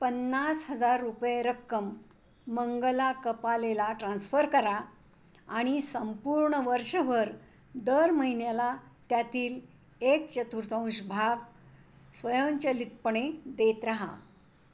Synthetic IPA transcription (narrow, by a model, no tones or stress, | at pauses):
pənːasɦəd͡zaɾːupjeɾəkːəmː | əŋɡəlakəpalelaʈɾãnsfəɾkəɾa | aɽ̃isəmpuɾɳəʋəɾʂəʋəɾ | d̪əɾməɦinjalat̪jat̪iːl | ek̚t͡ɕət̪uɾt̪ʰə̃w̃ɕbʱaɡ | sʋəjənt͡ɕəlit̪̚pəɳ̃ed̪et̪ɾaɦa̰